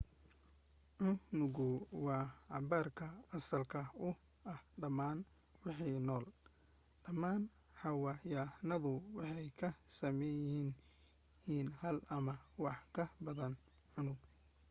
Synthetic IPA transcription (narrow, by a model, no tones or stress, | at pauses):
ʕʊnʊɣʊwɑːʕɑbaːrkʰɐɐsɐlkʰɐʊ | ɐhɖɐmaːn | wɑħijnɔːl | ɖ̥ɐmaːn | ħɑwɑːjaːnɐðʊwɑħɑjkʰɐsɐmɛjhin | hiːnhɐlɐmɐwɑħkʰɐbɐðɐn | ʕʊnʊɡ